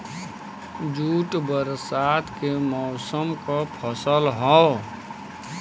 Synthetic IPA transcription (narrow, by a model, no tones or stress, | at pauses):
d͡ʒuːʈbəɾsat̪ʰkemɔʊsəmkɔpʰəsəlɦɔ̃